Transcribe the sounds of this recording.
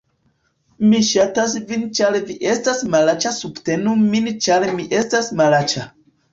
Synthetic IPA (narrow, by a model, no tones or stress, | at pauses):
miʃatasvint͡ʃaleviʔestasmalat͡ʃasubtenumint͡ʃalemiʔestasmalat͡ʃa